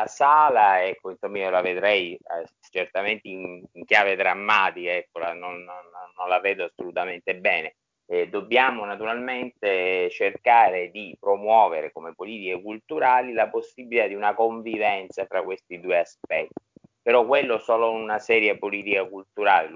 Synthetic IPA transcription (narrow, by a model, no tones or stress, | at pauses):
asaːlaɛkːoinsomːaiolaved̪ɾɛj | t͡ʃert̪ament̪eiŋiŋkjaːved̪ɾamːaːt̪ikaɛkːolanononːonlavɛːd̪oasːolut̪ament̪ebɛːne | d̪obːjaːmonat̪uɾalment̪et͡ʃerkaːɾed̪ipɾomwɔːveɾekomepoliːt̪ikekult̪uɾaːlilaposːibilit̪ad̪iunakoɱvivɛnt̪safɾakːwest̪id̪uːeaspɛt̪ːi | peɾɔkwelːoɛsɔːlonunasɛːɾjapoliːt̪ikakult̪uɾaːle